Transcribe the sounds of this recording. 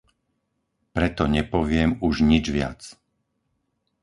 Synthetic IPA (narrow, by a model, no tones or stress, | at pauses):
pɾɛt̪ɔɲɛpɔʋɪɛmuʒɲid͡ʒʋɪa̰t͡s